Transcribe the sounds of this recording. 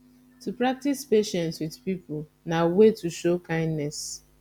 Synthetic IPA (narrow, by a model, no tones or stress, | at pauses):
tupɹak̚tispeʃɛ̃ntswidpipʊ | nawetuʃokãɪ̃ndnɛs